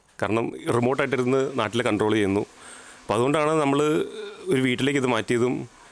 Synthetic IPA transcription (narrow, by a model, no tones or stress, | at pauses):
kaːɾɐɳɐmrimo̞ːʈːaːjʈːiɾunːɨnaːʈːilekɐɳɖro̞ːɭt͡ɕe̞junːu | ɐpːɐðuɣo̞ɳɖaːɳɨnɐmːɐɭoɾuʋiːʈːileːkːiðɨmaːtːijɐðum